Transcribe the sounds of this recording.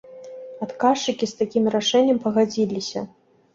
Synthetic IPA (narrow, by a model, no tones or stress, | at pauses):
at̪kaʂt͡ʂɨkʲist̪akʲimraʂɛnʲːɐmpɐɣad͡zʲilʲisʲɐ̰